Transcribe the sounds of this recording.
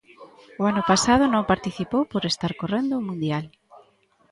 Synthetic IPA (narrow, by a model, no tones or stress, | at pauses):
oanʊpasaðʊnõŋpaɾt̪iθipowpoɾest̪aɾkorend̪ʊmũnd̪jal